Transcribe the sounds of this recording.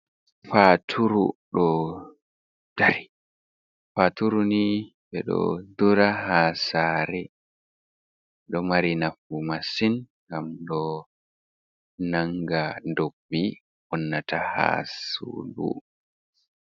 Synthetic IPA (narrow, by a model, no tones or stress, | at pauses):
fatʰuɾuɗɔ | d̥aɾi | fatuɾuni | ɓɛɗɔ̰d̪uɾahasaːɾɛ | ɗɔmaɾinafumasinŋɡamɗɔ | naŋɡandobːi | wɔnːatʰaha̰sṵdṵ